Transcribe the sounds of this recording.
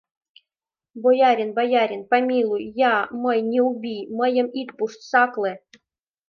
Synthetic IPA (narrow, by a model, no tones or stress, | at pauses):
bojɑɾʲenbajɑɾʲenpamʲilˠujːɑmɤjnʲeubʲimɤ̆jə̆mit̪puʂt̪sɑklˠĕ